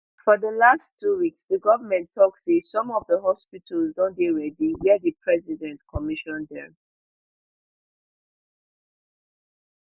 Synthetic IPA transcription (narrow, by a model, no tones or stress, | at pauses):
fɔðəlastʰuwiksðəɡɔvəmɛ̃ntʰɔksesɔ̃mɔvðəɦɔspitʰəlzdɔ̃ndeɹɛdiwiədəpʰɹɛzidɛ̃ntkʰɔmiʃɔ̃ndɛ̰̃